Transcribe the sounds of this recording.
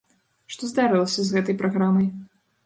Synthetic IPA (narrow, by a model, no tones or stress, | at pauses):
ʂt̪ɔzd̪aɾɨlˠɐsʲɐzɣɛt̪ɐjpɾaɣɾamɐj